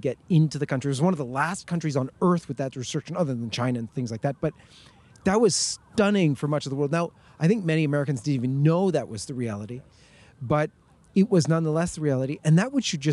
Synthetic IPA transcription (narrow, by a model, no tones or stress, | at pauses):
ɡɛɾɪ̃ntʉðɨkʰʌ̃nt͡ʃɹ̥iɨt̚wʌzwʌ̃nʌvðəlæskʰʌ̃nt͡ʃɹ̥izn̩ɜ˞θwɨðɨt̚ɹɨstɹ̥ɪkʃɨ̃n̩ʌðə˞ðə̃n̩t͡ʃʰãɪ̃nɨɨ̃nθɪ̃ŋzlaɪk̚ðæt̚b̥ʌt̪̚ | ðɨt̚wʌz̥stʌ̃nɪ̃ŋfə˞mʌt͡ʃʌvðəwɜ˞lˠd̚ⁿnaʊ | aɪθɪ̃ŋk̚mɛñiɨmɛɹɨkɨ̃n̩zdɨɾivɨ̃nːoʊðɨʔ̚wʌzðɨɹiælˠəɾi | bʌɾ | ɨt̚wʌznʌ̃nðəlɛsðɨɹiælˠəɾiʔɨ̃nðɨt̚wʌ̥ʃɨd̚d͡ʒʌ